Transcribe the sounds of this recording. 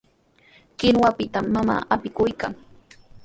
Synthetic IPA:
kɪnwapɪt̪amːama̰ːʔapɪkʊjkaŋ

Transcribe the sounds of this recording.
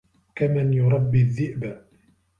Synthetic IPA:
kamanjʊɾˤɑbːiðːɪʔba

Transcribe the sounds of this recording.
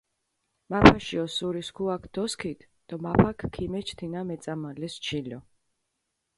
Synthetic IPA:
mapʰaʃiɔsuɾiskʰuakʰd̪̥ɔskʰit̪ʰ | d̪̥ɔmapʰakʰkʰːimɛt͡ʃʰt̪ʰinamɛt̪sʼamalɛst͡ʃʰilɔ

